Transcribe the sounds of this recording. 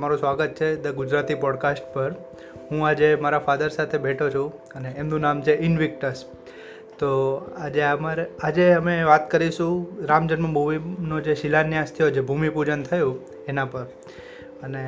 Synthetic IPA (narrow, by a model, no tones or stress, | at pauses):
maɾũsʋaɡət̪̚t͡ʃʰed̪əɡʊd͡ʒɾat̪ipɔɖkasʈpəɾ | ɦũad͡ʒemaɾafad̪əɾsat̪ʰebʱeʈʰot͡ʃʰũ | əneːmnũnamt͡ʃʰeʔɪnʋɪk̚ʈəɾs | t̪oad͡ʒeəmaɾead͡ʒeəmeʋat̪kəɾiʃũɾamd͡ʒənmãbʱuminod͡ʒeʃɪlanjãst̪ʰijod͡ʒebʱumipud͡ʒənt̪ʰəjũ | enãpəɾ | əne